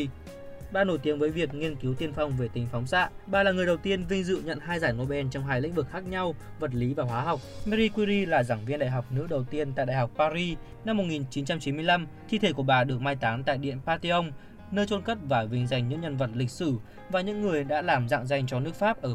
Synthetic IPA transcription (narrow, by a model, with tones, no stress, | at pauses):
ɓaː˨˩no˧˩jt̪i˨˦ənvəː˨˦jvi˨˩ək̚ŋi˧ənki˨˦wt̪i˧ənfa˧wŋ͡mve˨˩t̪ï˨˦ŋ̟fɔ˨˦wŋ͡msa̰ː˧˥ʔɓaː˨˩laː˨˩ŋɨ˨˩əjɗə˨˩wt̪i˧ənvï˧ŋ̟zɨ̰˧˨ɲə̰˧˨nɦaː˧jzaː˧˩jŋo˧˩ɓɛ˧nt͡ɕɔ˧wŋ͡mɦaː˧jlḭ˧˥ŋ̟vɨ˨˩k̚xaː˦˥k̚ɲa˧w | və˨˩t̚li˨˦vaː˨˩ɦwaː˨˦ɦa˨˩wk͡p̚mɛ˧ɾi˧kwi˧ɾi˧laː˨˩zaː˧˩ŋvi˧nɗa̰ː˧˨jɦa˨˩wk͡p̚nɨ̰˧˥ɗə˨˩wt̪i˧ənt̪a̰ː˧˨ɗa̰ː˧˨˩ɦa˨˩wk͡p̚paː˧ɾi˧ | na˧mːo˨˩t̚ŋi˨˩nt͡ɕi˨˦nt͡ɕa˧mt͡ɕi˨˦mɨ˧əjla˧mt̪ʰi˧t̪ʰe˧˩ku˧˩əɓaː˨˩ɗɨ˨˩ək̚maː˧jt̪aː˨˦nt̪a̰ː˧˨jɗḭ˧˨ənpaː˧t̪i˧ʔə˧wŋ͡m | nəː˧jt͡ɕo˧nkə˦˥p̚vaː˨˩vï˧ŋ̟za˨˩jŋ̟ɲɨ̰˧˥ŋɲə˧nvə˨˩t̚lï˨˩k̟̚sɨ˧˩ | vaː˨˩ɲɨ̰˧˥ŋːɨ˨˩əjɗa̰ː˧˥laː˨˩mza̰ː˧˨ŋza˨˩jŋ̟t͡ɕɔ˧nɨ˦˥ək̚faː˦˥p̚ʔəː˧˩